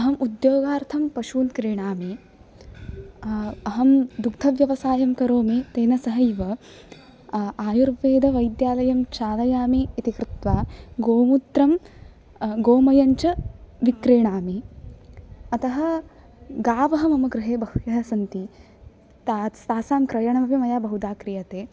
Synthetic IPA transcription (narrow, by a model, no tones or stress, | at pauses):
ɐɦɐmʔud̪joːɡaːɾt̪ʰɐmpɐʃuːnkɾeːɳaːme | ɐɦɐmd̪ukt̪ʰɐʋjɐʋɐsaːjɐmkɐɾoːmeːt̪eːnɐsɐɦɐjiʋɐ | aːjuɾʋeːd̪ʱɐʋɐjd̪jaːlɐjɐmt͡ʃaːlɐjaːmeːit̪ikɾɪt̪ʋaːɡoːmut̪ɾɐm | ɡoːmɐjɐɲt͡ʃɐʋikɾeːɳaːmi | ɐt̪ɐɦɐ̆ | ɡaːʋɐɦɐmɐmɐɡɾɪɦeːbɐɦujɐɦɐsɐnt̪i | t̪ast̪aːsaːmkɾɐjɐɳɐmɐpimɐjaːbɐɦud̪aːkɾijɐt̪eː